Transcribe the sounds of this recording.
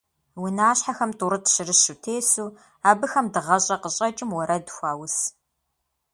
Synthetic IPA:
wʊnaːɕħaxɐmtʰʼuɾɨtɕɪrɨʃutʰeːsuː | aːbɨxɐmdɨʁɐɕʼɐqəɕʼɐt͡ʃʼɪmwɐɾɐdxʷaːwʊs

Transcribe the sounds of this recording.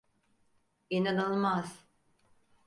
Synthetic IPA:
inanɯlˠmaz̥

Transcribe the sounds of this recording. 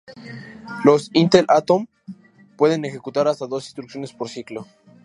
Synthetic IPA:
lo̞sint̪elʔat̪o̞m | pwe̞ðe̞nexe̞kut̪aɾast̪aðo̞sinst̪ɾuksjone̞spoɾsiklo̞

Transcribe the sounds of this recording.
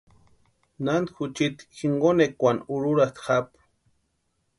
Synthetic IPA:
nand̪xut͡ʃit̪xiɴɡonekʷanuɾuɾat̪xap

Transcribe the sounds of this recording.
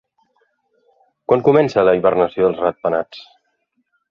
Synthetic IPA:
kwaŋkumɛnsələiβərnəsioðəlˠzrat̪̚pənat͡s

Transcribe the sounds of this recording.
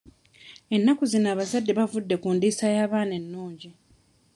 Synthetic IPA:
e̞nːakuzinaːβazadːe̞βavudːe̞kundiːsajaːβaːne̞nːuːɲɟi

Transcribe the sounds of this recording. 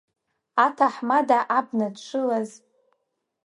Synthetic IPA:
atʰaħmadaʔabnadʂʷʰɨlaz

